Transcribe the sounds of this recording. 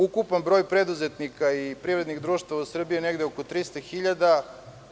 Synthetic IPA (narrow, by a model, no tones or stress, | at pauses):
ukupanbɾo̞jpɾed̪uzet̪nikaipɾivɾe̞d̪niɣd̪ɾuːʃt̪vaʋausr̩biineɡd̪eoko̞t̪ɾist̪axiʎad̪a